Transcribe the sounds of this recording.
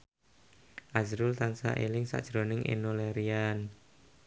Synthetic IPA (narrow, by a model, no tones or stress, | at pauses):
ʔazɾʊlt̪ansa̰ʔelɪŋsa̰ʔd̥ʒ̥ɾonɪŋʔḛnoleɾian